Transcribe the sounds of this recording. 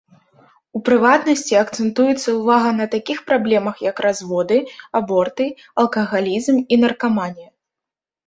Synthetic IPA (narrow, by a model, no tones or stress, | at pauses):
upɾɨvat̪nɐsʲt͡sʲiɐkt̪sɛnt̪ujɛt̪sːɐwvaɣɐnɐt̪akʲixpɾablʲɛmɐxjɐkɾazvɔd̪ɨabɔrt̪ɨ | ɐlˠkɐɣalʲizminɐrkamanʲjɐ